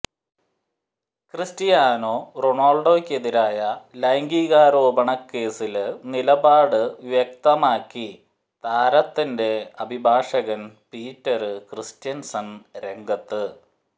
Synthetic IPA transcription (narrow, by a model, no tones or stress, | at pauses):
kristijaːno̞ːroɳoːɭɖo̞ːkʲːe̞ðiɾaːjɐlɐjŋɡiɣaːɾoːbɐɳɐkːe̞ːsilnilɐbaːɽɨʋjek̚t̪ɐmaːkːi | t̪aːɾɐt̪ːinde̞ɐbʱibʱaːʂɐɣɐnpiːtːɐɾɨkristjɐnsɐnɾe̞ŋɡɐt̪ːɨ